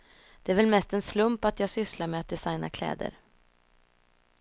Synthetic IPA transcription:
d̪̥ɛæɾvɛlmɛst̪ɛnslɵmpat̪jɑːɡsʏslaɾmɛat̪̚d̪ɛsajna̰kʰlɛ̰ːd̪ə̰ɾ

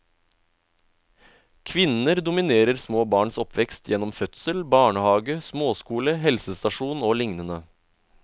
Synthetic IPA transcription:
kʰʋɪnəɾd̪ʊmɪneːɾəɾsmoːbɑːɳsɔpʰʋɛkst̪jɛnɔmfœt̪səlbɑːɳəhɑːɡəsmoːskuːləhɛlsəst̪ɑʃuːnoːlɪŋnənə

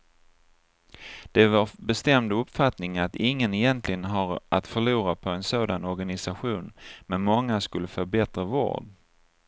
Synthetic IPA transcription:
d̪̥ɛvaɾbɛst̪ɛmd̪ɵpfat̪nɪŋat̪ɪŋːənɛjɛnt̪ʰlɪɡənɦaɾʔat̪fœɭuːɾapʰɔɛnsoːd̪anɔɾɡanɪsaɧuːnmɛnmɔŋːaskɵlːəfœɾbɛt̪ɾavo̰ːɖ

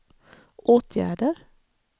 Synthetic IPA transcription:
ʔoːt̪ʰjæ̰ːɖəɾ

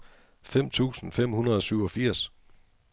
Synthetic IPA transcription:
fem̰t͡sʰṵːsn̩fem̰hunɐðˠɒ̽syʊɒ̽fiɐ̰s

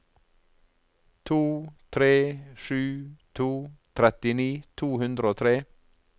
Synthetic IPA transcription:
t̪ʰuːt̪ʰɾeːʃʉːt̪ʰuːt̪ʰɾɛt̪ɪniːt̪ʰuːhʉnd̪ɾəoːt̪ʰɾeː

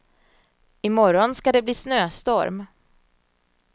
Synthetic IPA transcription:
ɪmɔɾɔnskad̪ɛbliːsnøːst̪ɔɾm

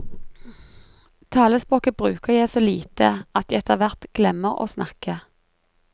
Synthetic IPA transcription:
t̪ʰɑːləspʁoːkəbʁʉːkəʁjæɪsoːliːt̪əɑt̪jæɪɛt̪əʋæʁt̪ɡ̥lɛməʁo̰ːsnɑkə

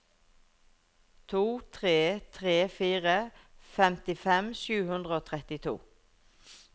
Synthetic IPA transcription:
t̪ʰuːt̪ʰʁeːt̪ʰʁeːfiːʁəfɛmt̪ɪfɛmʃʉːhʉnd̪ʁəoːt̪ʰʁɛt̪ɪt̪ʰṵː

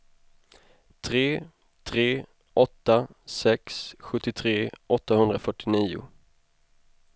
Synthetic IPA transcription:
t̪ʰɾeː | t̪ʰɾeː | ʔɔt̪ːasɛksɧɵt̪ːɪt̪ʰɾeːʔɔt̪ːahɵnd̪ɾafœʈːɪniːʊ̰

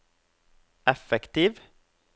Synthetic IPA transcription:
ʔɛfɛkt̪iːʋ

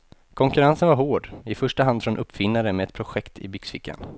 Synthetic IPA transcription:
kʰɔŋkɵɾansənvaɾɦoːɖɪfœʂʈaɦand̪fɾɔnʔɵpːfɪnːaɾəmɛɛt̪pʰɾʊɧɛkt̪ʰɪ̰bʏksfɪkʰːa̰n

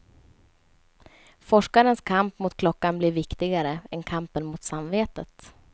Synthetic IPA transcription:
fɔʂkaɾənskʰampmʊt̪̚kʰlɔkːanblɪɾvɪkt̪ɪɡaɾəɛnkʰampənmʊt̪samveːt̪ət̪

